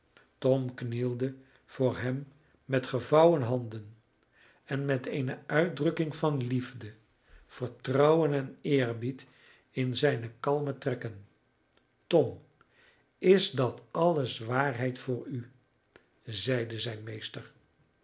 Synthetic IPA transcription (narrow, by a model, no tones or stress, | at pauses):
tɔmknilˠdə | v̥ʊːɹɦɛmː | ɛtχəvɑwənɦɑndən | ɛnmɛtejnəœɥt̚drɵkɪŋvɑnlivdə | v̥əɹtrɔwənɛnɪːrbit | ɪnzɛjnəkɑlˠmətrɛkən | tɔm | ɪzdɑtɑləsʋaːɹɦɛjtfʊːɹy | zɛjdəzɛjnmejstəɹ